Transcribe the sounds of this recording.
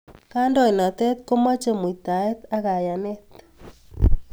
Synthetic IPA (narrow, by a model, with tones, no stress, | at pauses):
ka˦ndɔ˦i˨na˨t̪ɛ˦t̪̚ko˦ma˦t͡ʃe˨mu˨i˨t̪a˨e˦t̪a˦ɣa˨ja˨ne˦t̪